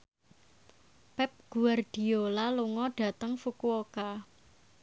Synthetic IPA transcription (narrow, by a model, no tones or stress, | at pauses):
pɛp̚ɡ̥uard̥i̤olaluŋɔɖ̥a̤t̪əŋfukuoka